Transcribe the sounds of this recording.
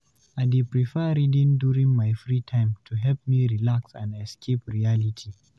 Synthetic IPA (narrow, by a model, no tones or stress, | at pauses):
ʔadepɾiɸɛɾidɪnduːɾɪŋmajfɾiːtʰajɪmtʰuɦɛlp̚miːɾilaksa̰nɛskʲepɾijalɪtʰi